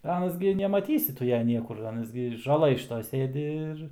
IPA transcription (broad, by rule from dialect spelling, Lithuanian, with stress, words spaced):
ˈɑːnɐs ɡʲɪ nʲɛmɐˈtʲiːsʲɪ ˈtʊ ˈjɛ ˈnʲiɛkʊr ˈɑːnɐs ɡʲɪ ʒɐˈlˠɘj ʃʲɪˈtoːj ˈsʲeːdʲɪ ɪr